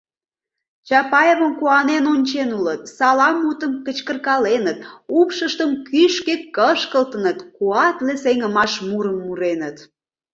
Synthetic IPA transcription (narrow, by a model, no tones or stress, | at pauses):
t͡ɕɑpɑjeβəmkuɑnenonʲt͡ɕenulət̪sɑlɑmːut̪əmkət͡ɕkərkɑlenət̪upʃəʃt̪əmkyʃket̪kəʃkəlt̪ənət̪kuɑt̪leseŋəmɑʃmuɾəmːuɾenət̪